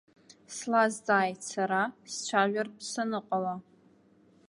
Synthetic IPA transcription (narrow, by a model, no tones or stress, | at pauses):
slazd͡zaːjtsaɾast͡ʃʷʰaʒʷᶣarpʰsanɨqʼala